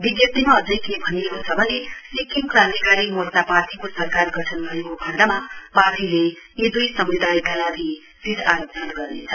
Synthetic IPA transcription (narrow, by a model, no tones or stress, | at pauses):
biɡjʌt̪imaːd͡zʌjkebʱʌniekosʰʌbʱʌlelikiŋkrãnt̪iɡaɽimolt̪aparʈikosʌrkarɡʌʈʰʌnbʱʌekobʱaɾd̪amaparʈile | jed̪ujsʌmrid̪aikalaɡi | sid̪aɾopdʱʌnɡʌrnḛt͡sʰʌ